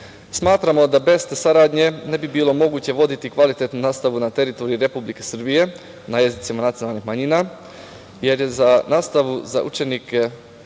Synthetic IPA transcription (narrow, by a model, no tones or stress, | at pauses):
smaːt̪ɾamo̞d̪abe̞st̪esaɾaːd̪ɲe̞ne̞bibiːlˠo̞mo̞ɡuːt͡ɕe̞ʋo̞d̪it̪ikʋalit̪e̞t̪nunaːst̪aʋunat̪e̞ɾit̪o̞ɾiiɾe̞publike̞sr̩bije̞ | naje̞zit̪simanat̪ionaːlˠnixmaɲiːna | je̞ɾje̞zanaːst̪aʋuza̰ʔṵt͡ʃe̞nike